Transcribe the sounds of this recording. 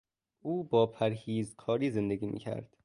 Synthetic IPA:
ʔuːbɒːpʰæɾhiːzkʰɒːɾiːze̞nd̪eɡiːmḭːcʰæ̰ɾd̪̥

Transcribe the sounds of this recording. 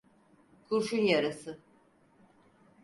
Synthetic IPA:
kʰuɾʃunjaɾasɯ

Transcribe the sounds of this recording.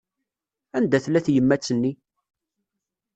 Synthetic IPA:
ænd̪æθlæθjəmːæt͡sːənːi

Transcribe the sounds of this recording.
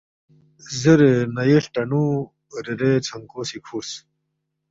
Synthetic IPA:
zeɾenɐjeɬʈɐnu | ɾeɾet͡sʰɐŋkosikʰuːs

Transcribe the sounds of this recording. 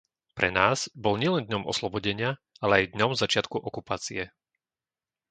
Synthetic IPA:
pɾɛ̰naːz̥bɔlɲɪɛlɛnd̪ɲɔmɔ̰slɔbɔɟɛɲɪa | alɛajd̪ɲɔmzat͡ʃɪat̪kuʔɔkupaːt͡siɛ

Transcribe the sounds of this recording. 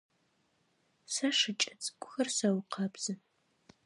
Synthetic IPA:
sɐʂɨt͡ʃʼɐt͡sʼɡʷʊxɐrsɐwqʰɑbz̥ɨ

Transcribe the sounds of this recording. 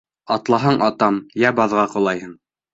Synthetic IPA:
ɑt̪lˠɑɦɑɴʔɑt̪ɑmjæbɑðʁɑqŏlˠɑjhɤɴ

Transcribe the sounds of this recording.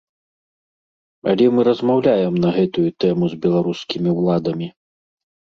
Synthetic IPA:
ɐ̰lʲɛmɨɾɐzmawlʲajɛmnɐɣɛt̪ujut̪ɛmuzbʲɛlˠaɾuskʲimʲiwlˠad̪ɐmʲi

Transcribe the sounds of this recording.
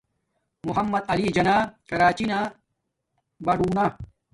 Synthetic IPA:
muɦɐmːɐd̪̚ɐlid͡ʑɐnaːkɐɾaːt͡ɕina | bɐɖuːna

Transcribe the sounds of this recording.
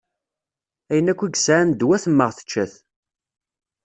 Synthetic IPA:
æjənækʷːiɡsʕand̪wæθəmːəʁθə̥t͡ʃːæθ

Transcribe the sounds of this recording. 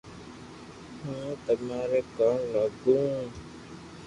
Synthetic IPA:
hũːt̪əmaːɾeːkəɳləɡũː

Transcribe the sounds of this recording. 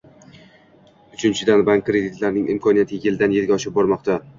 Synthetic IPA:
ʊt͡ʃʰɪnt͡ʃʰɪd̪anbaŋkʲːɾe̞d̪ɪt̪laɾnɪŋɪmkʰɒnijat̪ʰɪjɪld̪anjeɾɡʲaɒʃɪp̚bɒɾmɒqt̪ʰa

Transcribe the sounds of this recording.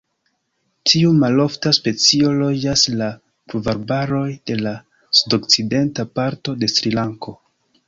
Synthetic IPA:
tʰiumalo̞ftaspe̞t͡sio̞lo̞d͡ʒasla | pɾuvaɾbaɾo̞jd̥e̞la | sudo̞kt͡side̞ntapaɾto̞de̞sɾilaŋko̞

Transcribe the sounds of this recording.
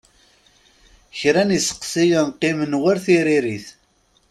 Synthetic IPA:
çɾænisə̥qsijənqːimənwaɾθiɾiɾiθ

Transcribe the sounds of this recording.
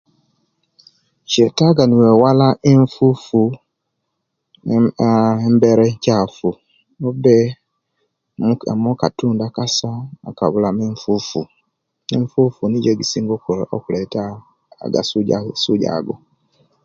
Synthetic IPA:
ʃɛtaɡanɪ̃wɛwalaɪɱ̩fufu | m̩bɛɾɛɲ̩cafu | ɔbɛ | mʊ̃ɛ̰mɔ̃katũndakasaa̰ka̰βʊlamɪ̃ɱfufu | ɪ̃ɱ̩fufunɪ̃d͡ʒɛɡisiŋɡokʰʊɾɛʔɔ̰kʊɾɛta | a̰ɡa̰ssʊd͡ʒa̰ːɡʊ

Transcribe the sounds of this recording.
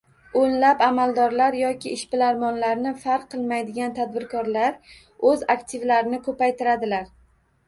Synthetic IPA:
onlapamalˠd̪ɒɾlaɾjɒkʲɪɪʃpɪlaɾmɒnlaɾnɪfaɾqʰːɨlˠmajd̪ɪɡʲant̪ʰad̪̚bɪɾkʰɒɾlaɾ | ɵzakt̪ʰɪvlaɾɪnɪkʰɵpajt̪ɪɾad̪ɪlaɾ

